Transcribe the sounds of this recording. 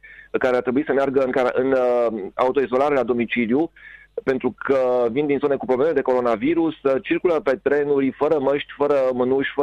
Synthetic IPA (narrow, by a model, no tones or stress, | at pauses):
kaɾeat̪ɾe̞buisəmearɡəɨŋkaɾʔɨna̰ut̪o̞izo̞laɾe̞lad̪o̞mit͡ʃilju | pe̞nt̪ɾukʰəvind̪inzo̞ne̞kupɾoblemed̪e̞ko̞ɾo̞naviɾust͡ʃirkuləpe̞t̪ɾe̞nuɾʲfəɾəməʃt̪ʲfəɾəmənuʃʲfə